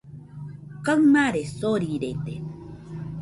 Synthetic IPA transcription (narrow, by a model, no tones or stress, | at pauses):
kaŋmaɾesoɾiɾet̪e